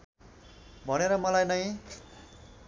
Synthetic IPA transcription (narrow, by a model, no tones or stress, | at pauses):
bʱʌneɾʌmʌlajnʌj̃